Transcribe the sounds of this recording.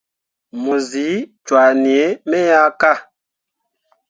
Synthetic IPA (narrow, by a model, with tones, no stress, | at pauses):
mo˨zi˨˦t͡ʃwa˨ni˨e˨˦mɛ˦ja˦ka˦˨